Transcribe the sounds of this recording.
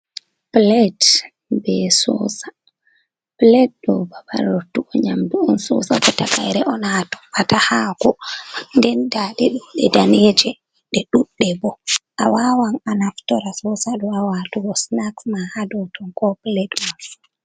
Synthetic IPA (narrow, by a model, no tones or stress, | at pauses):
plɛt | bɛsɔ̰sa | plɛtɗɔbaba̰ɾɔtːuɔɲamduɔnsɔ̰sakɔtakajɾɛʔɔnatɔ̥watahakɔndɛndaɗɛɗuɗɛdaned͡ʒɛ | ɗɛɗuɗːɛbɔʔawawananaftɔɾasɔsaɗɔawatuɡɔsnaksmahadɔtɔnkɔplɛtma